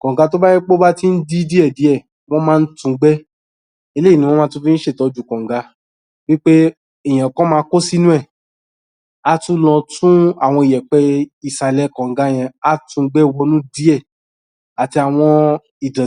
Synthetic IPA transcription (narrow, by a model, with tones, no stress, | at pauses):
kɔ̃˨ŋ˨ɡa˧t̬o˦ba˦jĩ˦k͡po˦ba˦ti˦n̩˦di˦di˦ɛ˦˨di˨˦ɛ˦˨ | w̃ɔ̃˦mãː˦˧n̩˦tũ˧ɡ͡bɛ˦ | e˧le˦i˦˨nĩ˧w̃ɔ̃˦mãː˦tũ˦fi˦n̩˦ʃe˦˨tɔ˨˧˦d͡ʒu˨˦kɔ̃˨ŋ˨˦ɡa˧ | wi˦k͡pe˦ | ɛ˨j̃ɛ̃˨kɔ̃˦mãː˧˦ko˦si˦nũ˦ɛ˦˨ | a˧tũ˦lɔ̃˧tũ˦a̰˦˨w̃ɔ̃˧i˨jɛ˨k͡pɛ˧˦i˨sa˨lɛ˨˦kɔ̃˨ŋ̩˨˦ɡa˧j̃ɛ̃˧a˧˦tũ˧ɡ͡bɛ˦˧wɔ˧nũ˦di˦ɛ˦˨ | a˨ti˧a˨w̃ɔ̃˧ | i˨dã˨